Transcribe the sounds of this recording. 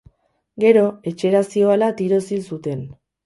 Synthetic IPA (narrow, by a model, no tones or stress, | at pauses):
ɡe̞ɾo̞e̞t͡ʃe̞ɾasio̞alat̪iɾo̞silsut̪e̞n